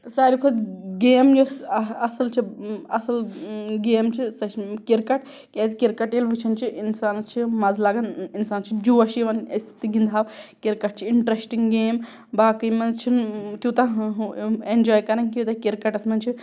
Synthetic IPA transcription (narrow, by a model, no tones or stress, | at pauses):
saːɾʲikʰud̪ɡeːmd͡ʒosɐsɐlt͡ʃʰiɐsɐlɡeːmt͡ʃʰisɐʃkiɾkɐʈ | kʲɐzkiɾkɐʈelʋit͡ʃʰɐnt͡ʃʰiʔinsaːnt͡ʃʰimɐzlaːɡɐninsaːnt͡ʃʰid͡ʒuːɐʃiʋɐnɐst̪ʰt̪iɡind̪ʱaːʋkiɾkɐʈ̚t͡ʃʰiiɳʈɾesʈiŋɡɡeːm | baːkijmɐnzt͡ʃʰint̪jut̪ɐ | end͡ʒɔːjkɐɾɐnkʲjut̪ɐkiɾkɐʈɐsmɐnt͡ʃʰi